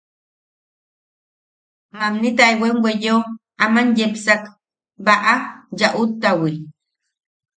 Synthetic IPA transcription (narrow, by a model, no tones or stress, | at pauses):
mamnit̪aewenwʷejo | amanjepsak | baʔajaʔut̪ːawi